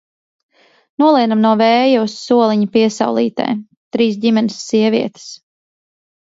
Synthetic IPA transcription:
nuɔlˠiɛd̪amnuɔvɛːjusːuɔlˠiɲapiɛsa̰wlˠḭːt̪ɛ̰ː | t̪ɾiːs̬ɟimɛnɪsːiɛvʲiɛt̪i̥s

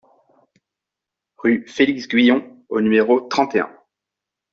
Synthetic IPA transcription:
ʁyfeliksɡɥijɔ̃onymeʁot̪χɑ̃t̪eɛ̰̃

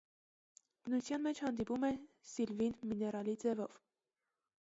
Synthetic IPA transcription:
b̥ənut͡sʰjɑnmɛt͡ʃʰhɑnd̪ipumɛsilvinminɛɾɑlid͡zɛvɔ̰v̥

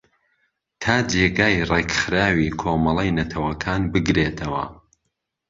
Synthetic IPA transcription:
t̪ʰaːd͡ʒeɡaːjrekxɨɾaːwiːkʰoːmɐlˠɐjnɐt̪ʰɐwɐkʰaːnbɨɡɾet̪ʰɐwɐ̰

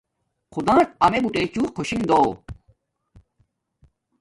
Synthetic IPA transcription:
qʰud̪ãːt̪ɐmebuʈeːt͡ɕuːqʰoɕiŋd̪oː

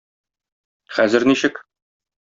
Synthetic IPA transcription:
χæzɘɾniɕɘk

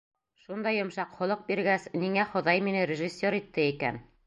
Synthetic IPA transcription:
ʃund̪ɑjŏmʃɑqχŏlˠɤq̚biɾɡæsniŋæχŏðɑjminɘɾʲɪʒɘsʲːoɾit̪ːɘikæ̰n

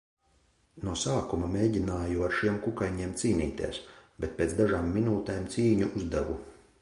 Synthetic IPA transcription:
nuɔsaːkumameːɟinaːjuaɾʃiɛmkukajɲiɛmt̪siːniːt̪ḭɛsbɛt̪̚peːt̪d̪aʒaːmːinuːt̪eːmt̪siːɲuʔuzd̪avṵ

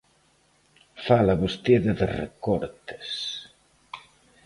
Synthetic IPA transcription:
falaβust̪iðɐðerḛkɔɾt̪ɪ̥s

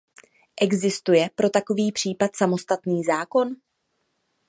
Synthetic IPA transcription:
ʔɛɡzɪst̪ujɛpɾo̞t̪ako̞viːpr̥iːpat̪samo̞st̪at̪niːzaːko̞n

